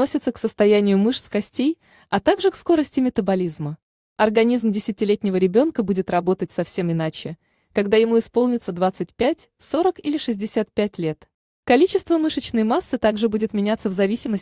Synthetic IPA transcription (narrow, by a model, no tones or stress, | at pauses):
osʲɪt̪səksəst̪ɐjænʲɪjʊmɨʂskɐsʲtʲej | ɐt̪aɡʐɨksko̞ɾəsʲtʲɪmʲɪt̪əbɐlʲizmə | ɐrɡɐnʲizmdʲɪsʲɪtʲɪlʲetʲnʲɪvəɾʲɪbʲo̞nkəbudʲɪt̪rɐbo̞t̪ət̚ʲsɐfsʲe̞mɪnat͡ɕɪ | kɐɡd̪ajɪmuɪspo̞lˠnʲɪt̪səd̪vat̪sɨt̚ʲpʲætʲ | so̞ɾəkilʲɪʂɨzʲdʲɪsʲat̪̚pʲætʲlʲe̞t̪ | kɐlʲit͡ɕɪst̪vəmɨʂət͡ɕnəjmasːɨt̪aɡʐɨbudʲɪt̪mʲɪnʲat̪səvzɐvʲisʲɪməsʲ